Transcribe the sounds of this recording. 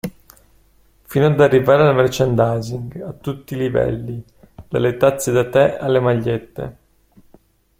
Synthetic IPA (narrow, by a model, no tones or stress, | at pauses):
finoad̪arːivaːɾelamert͡ʃand̪ajziŋɡat̪ːut̪ːiːlivɛ̰lːi | d̪a̰let̪at̪sːed̪at̪ɛalːemaʎːet̪ːḛ